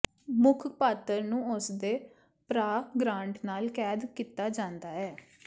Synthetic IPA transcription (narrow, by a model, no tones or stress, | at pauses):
mʊkʰpaːt̪əɾnũːʊsd̪eː | pɾaːɡɾãːɳʈnaːlkɛːd̪kiːt̪aːd͡ʒãːnd̪aːɛː